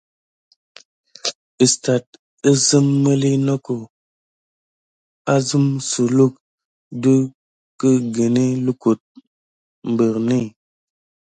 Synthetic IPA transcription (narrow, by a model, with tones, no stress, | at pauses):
ə˨sta˨t̚ | ə˦zə˦mːə˦li˦nɔ˦ko˨ | a˦zɨ˦msu˨lu˦˨k̚ | du˦ | kə˦ɡe˨ni˦lu˦ku˨t̚ | m̩˨bə˨ɾni˦˨